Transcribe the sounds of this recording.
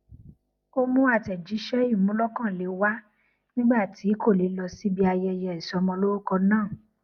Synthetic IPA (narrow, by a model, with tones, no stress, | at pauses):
o˦mũ˦a˦˨tɛ˨d͡ʒi˨˦ʃɛ˦i˦˨mũ˦lɔ˦kã˦˨le˨˦wa˦ | nĩ˦ɡ͡ba˦˨ti˨˦ko˦˨le˨˦lɔ˧si˦bi˧a˧jɛ˧jɛ˧i˨sɔ˧˦mɔ̃˧lo˦ɾo˦kɔ˧nãː˦˨